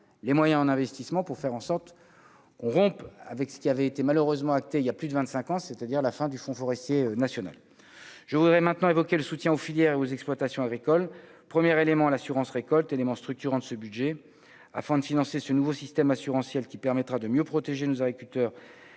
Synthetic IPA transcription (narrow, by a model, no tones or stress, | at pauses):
lemwajɛ̃ɑ̃nɛ̃vɛst̪ismɑ̃puʁfɛʁɑ̃sɔʁt̪ | kɔ̃ʁɔ̃pa̰vɛksə̥kʲiavɛet̪emaløʁøzmɑ̃ak̚t̪eijaplyd̪əvɛ̃nt̪sɛ̃kɑ̃set̪ad̪iʁlafɛ̃d̪yfɔ̃fɔʁɛst̪jeønasjɔna̰l | ʒ̥əvud̪ʁɛmɛ̃t̪nɑ̃evɔkʲeləsut̪jɛ̃ofiljɛʁeozɛksplwat̪asjɔ̃aɡʁikɔl | pχəmjɛʁelemɑ̃lasyʁɑ̃sʁekɔlt̪elemɑ̃st̪χyk̚t̪yʁɑ̃d̪əsəbyd̪ʒɛ | a̰fɛ̃d̪əfinɑ̃sesənuvosist̪ɛmasyʁɑ̃sjɛlkʲipɛʁmɛt̪χad̪əmjøpχɔt̪eʒenozaɡʁikʲylt̪œːʁ